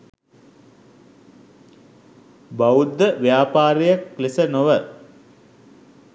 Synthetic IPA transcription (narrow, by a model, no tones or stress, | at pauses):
baud̪ːəʋjaːpaːɾejəkːlesənoʋə